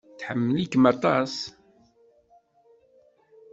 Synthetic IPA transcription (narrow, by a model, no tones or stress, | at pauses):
θħəmːəlikmɑt̪ˤɑs